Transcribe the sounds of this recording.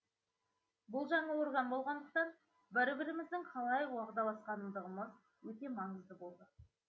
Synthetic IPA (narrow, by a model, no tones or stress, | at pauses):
bʊlˠʒɑɴɑwo̞ɾʁɑnbo̞lˠʁɑnd̪əq̚t̪ɑn | bɪɾbɪɾɪmɪzd̪ɪŋqʰɑlˠɑjwɑʁd̪ɑlˠɑsqɑnəmd̪əʁəməz | wɵt̪e̞mɑɴəzd̪əbo̞lˠd̪ə